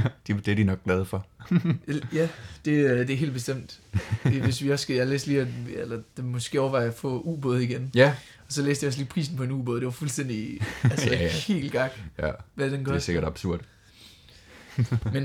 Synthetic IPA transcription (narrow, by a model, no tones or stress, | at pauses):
d̥d̥eæɐd̥inɒ̽ɡ̥̚ɡ̥lɛð̞ˠfɒ | jæd̥e̝d̥e̝æɦe̝ːld̥̚b̥esd̥em̰d̥eʋe̝sʋiɒ̽sːɡ̥jalḛːsliːɒelɐd̥emɔ̽sɡ̥e̝̰ɒʊɐʋɑ̈ɪɐfɔ̰̽uːb̥ɔːð̞̩ˠiɡ̥en | ɒ̽sɒ̽lḛːsd̥jɒliːpʰʁḭːsn̩pʰɒ̽e̝nṵːb̥ɔ̽ːðˠd̥e̝ʋɑ̈fulsd̥en̰d̥iælsəhe̝̰ːlɡ̥ɑ̈ɡ̥jæʋæd̥enɡɒse̝ɡ̥ɐɾ̥ɑ̈b̥suɐ̰d̥ | men